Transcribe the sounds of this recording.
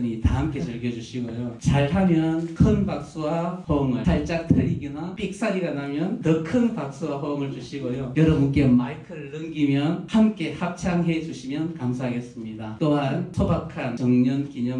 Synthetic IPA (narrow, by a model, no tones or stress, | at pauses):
ɲitaɦamk͈ʰe̞t͡ɕɯɭɡjʌd͡ʑuɕʰiɡojot͡ɕaɭhamjʌnkʰɯnpak̚s͈uwaɸoŋɯsʰaɭt͡ɕ͈ak̚tʰɯɾiɡinap͈ʰik̚s͈aɾiɡanamjʌntʌkʰɯnpak̚s͈uwaɸooŋɯɭd͡ʑuɕʰiɡojojʌɾʌbunk͈e̞maikʰɯɾɭːɯŋɡimjʌnhamk͈e̞hap̚t͡ɕʰaŋɦe̞d͡ʑuɕʰimjʌnkamsʰaɦaɡe̞s͈ɯmɲidat͈oɦantʰobakʰant͡ɕʌŋɲʌnkiɲʌm